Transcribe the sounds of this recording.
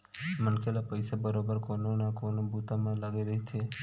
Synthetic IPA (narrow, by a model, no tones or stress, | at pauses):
mənkʰelapəjsabəɾobəɾkononakonobut̪amãlaɡiɾəɦit͡ʃʰe